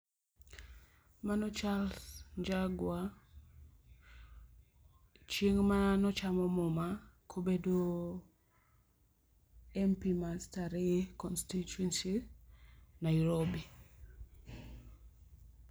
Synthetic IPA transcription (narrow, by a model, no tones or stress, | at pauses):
manɔt͡ʃalɲd͡ʒaɡwa | t͡ʃiŋmanɔt͡ʃamɔmɔmakʰobedo | ɛmpimastaɾikɔnstituwɛnsi | najuɾobi